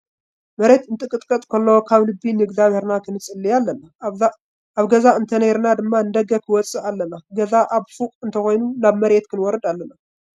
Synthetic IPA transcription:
mɐɾe̞t̪ɨnt̪ʼɨkʼɨt̪ʼkʼɐt̪ʼkʰɐlːowkʰaβlɨbːinɨɡzaβhe̞ɾnakʰɨnɨt͡sʼɨlːialːɐna | ʔaβɡɐzaɨnt̪ʰɐnɐjɾnad̪ɨmːanɨd̪ɐɡɐkʰɨwɔt͡sʼɨʔalːɐnaɡɐzaʔaβfukʼɨnt̪ʰɐxʷo̞jnunaβmɐɾe̞t̪kʰɨnwɔɾɨd̪alːɐna

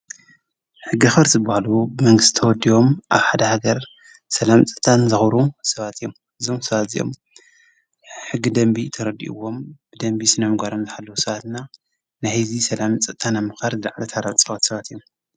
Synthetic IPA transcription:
ħɨɡːɨxɐɾzɨbahalubmɐŋɡɨst̪i̥t̪ʰɐwɔd̪ːiwo̞mʔaβħad̪ɐhaɡɐɾ | sɐlamt͡sʼɨ̥t̪ʰanzɨxɾusɐβat̪ʰjːom | ɨzo̞msɐβat̪zḭjʔo̞̰m | ħɨɡːid̪ɐmbit̪ʰɐɾɐd̪ḭʔɨ̰wːo̞mb̥ɨd̪ɐmbisɨnɐmɨɡʷaɾomzɨħalːɐwusɐβat̪na | najhizisɐlamt͡sʼɨt̪ʰːanamɨxaɾzɨlaʕlɐt̪ʰaɾaβʼsʼɐβat̪sɐβat̪ijːom

